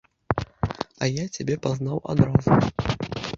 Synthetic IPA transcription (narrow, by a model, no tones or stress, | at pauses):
ɐjat͡sʲabʲɛpaznawʔa̰d̪ɾazu